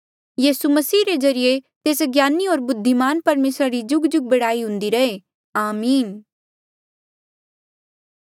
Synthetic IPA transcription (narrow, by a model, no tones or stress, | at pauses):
jiːsumɐsiːɾezɐɾijet̪eːsɡjaːnioːɾbʊd̪ʱːimaːnpɐɾmeːsɾaɾid͡ʒʊɡd͡ʒʊɡ̚bɐɽaːiɦʊ̃nd̪iɾɐɦe | aːmiːn